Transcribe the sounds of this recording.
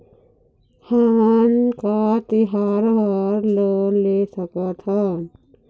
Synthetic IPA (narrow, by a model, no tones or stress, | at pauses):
hankat̪iɦaɾɦəɾlənlesəkət̪ʰən